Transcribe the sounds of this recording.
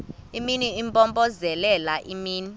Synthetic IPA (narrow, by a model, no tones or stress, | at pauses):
iminiimpʼɔmbʼɔzɛlɛlaʔimiːni